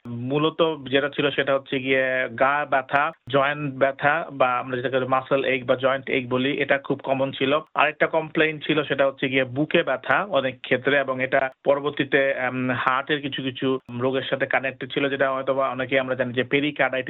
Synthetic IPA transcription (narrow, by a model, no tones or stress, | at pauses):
mulot̪od͡ʑeʈat͡ɕʰiloʃeʈaɦotːɕʰeɡieɡajbɛt̪ʰad͡ʑɔjeɳʈbɛt̪ʰabaamɾad͡ʑeʈaklmaselʔek̚bad͡ʑɔeɳʈḛk̚boliʔeʈakʰubkɔmont͡ɕʰiloa̰ɾek̚ʈakɔmplejnt͡ɕʰiloʃeʈaɦotːɕʰeɡiebukebɛt̪ʰaɔnekʰːet̪ːɾeeboŋeʈapɔɾoboɾt̪it̪ehaʈeɾkit͡ɕʰukit͡ɕʰuɾoɡeɾʃat̪ʰekanek̚ʈed̚t͡ɕʰilod͡ʑeʈaɔet̪obaɔnek̬eamɾad͡ʑanid͡ʑepeɾikaɖajʈi